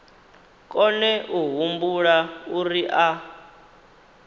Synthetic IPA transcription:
kʼɔnɛʔuɦumbuɺauriʔa

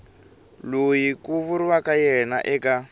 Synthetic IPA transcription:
lojikuvuɾiwakajɛna̰ʔɛka

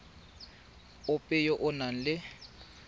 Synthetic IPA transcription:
ʊpʼɪjɔʔʊnan̩lɪ

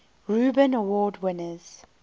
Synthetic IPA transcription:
ɹuːbə̃nəwɔːdwɪnəz̥

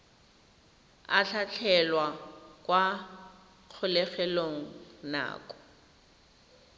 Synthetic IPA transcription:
a̰ɬʰat͡ɬʰɛlwakʼwa | k͡xʰʊlɛχɛloŋ̩na̰ːkʼɔ̥

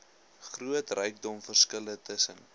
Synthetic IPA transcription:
χruətrœjk̚dɔmfərskələtʰəsən

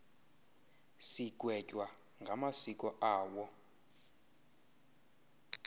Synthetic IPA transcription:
sik̬wɛcʼwa | ŋɡʱamasik̬ʼɔʔaːwɔ

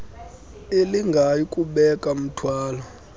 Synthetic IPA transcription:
eliŋɡʱajikʼuɓɛkʼam̩tʰwaːlɔ

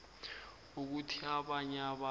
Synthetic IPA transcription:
uk̬utʰiaɓaɲɛaɓa

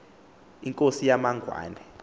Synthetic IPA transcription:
iŋkʼosijamaŋʱwa̰ːnɛ

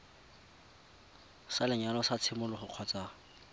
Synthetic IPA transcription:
salɪɲalɔsat͡sʰɪmʊlʊχʊq͡χʰɔt͡sʼaː

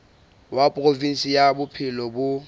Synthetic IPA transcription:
wapʼrofin̩sijabʊpʰɪlɔbʊ

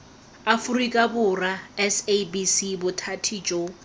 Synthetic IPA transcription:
afurikʼabʊraɛsebisibʊtʰatʰid͡ʒʼo

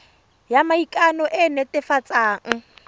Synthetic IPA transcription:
jamaikʼanɔʔɪnɛtɪfat͡sʼaːŋ̩

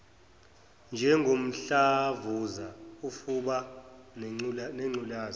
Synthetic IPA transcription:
nd͡ʒʱɛŋɡʱom̩ɬavuzaufuɓa | nɛŋ͡ǀulaːzɔ

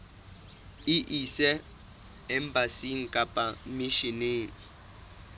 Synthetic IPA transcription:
iʔisɛ | ɛmbasiŋ̩kʼapʼamiʃineːŋ̩

